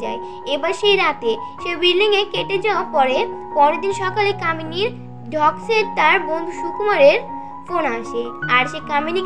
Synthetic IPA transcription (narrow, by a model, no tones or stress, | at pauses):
a̰e | ebaɾʃejɾat̪e | ʃebilːiŋekeʈed͡ʑaopɔɾepɔɾed̪inʃɔkalekaminiɾ | ɖʱɔkseɾt̪aɾbond̪ʱuʃukmaɾeɾ | fonaʃeaɾʃekamini